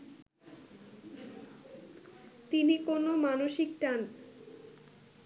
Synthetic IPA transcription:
t̪inikonomanoʃikʈan

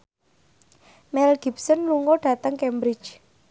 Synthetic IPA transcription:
mɛlɡ̥i̤p̚sɔnluŋɔɖ̥a̤t̪əŋkɛmbɾɪ̥t͡ʃ

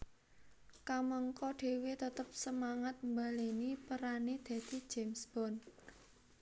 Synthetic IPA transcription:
kaməŋkɔɖ̥e̤wet̪ət̪əp̚səmaŋat̪̚mbalenipəɾaned̪̥a̤d̪̥i̤̥d͡ʒ̥emsb̥ɔn

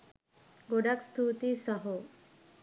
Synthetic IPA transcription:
ɡoɽakst̪ʰut̪isəɦo

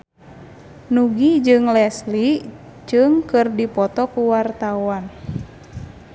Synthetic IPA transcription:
nuɡid͡ʒɨŋlɛsli | d͡ʒɨŋkɨrdipɔt̪ɔkuwart̪awan

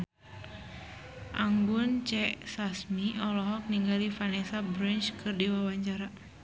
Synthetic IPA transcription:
ʔaŋɡunt͡ʃɛsasmiʔɔlɔɦɔk̚niŋɡalifanɛsabɾint͡ʃkʰɨrdiwawaɲt͡ʃaɾa

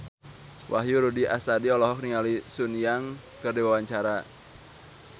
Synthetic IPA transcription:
wʔaɦjuɾudiʔa̰sadiɔlɔɦɔk̚niŋalisunjaŋ | kərdewawaɲt͡ʃaɾa

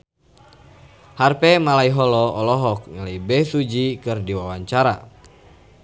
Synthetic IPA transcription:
harpɛmalaiɦɔlɔɔlɔɦɔk̚ŋalibɛsud͡ʒikɨrdiwawaɲt͡ʃaɾa

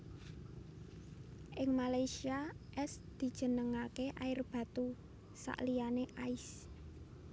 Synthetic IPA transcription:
ʔɪŋmalajsiaʔɛsd̪̥i̤d̥ʒ̥ə̤nəŋakeʔaɪrb̥ä̤t̪u | sa̰ʔlianeʔaɪs

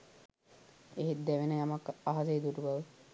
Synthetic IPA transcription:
eɦet̪̚d̪æʋenəjamakaɦazejid̪uɾubaʋə

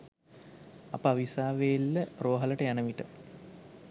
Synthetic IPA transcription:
apəaʋisaːʋejlːəroːɦɐləʈəjanəʋiʈə

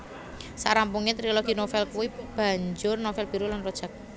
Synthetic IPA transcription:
saɾampuŋet̪ɾiloɡ̥i̤nofɛlkuwib̥a̤ɲd͡ʒʊrnofɛlb̥i̤ɾulanrɔd̥ʒ̥ak̚

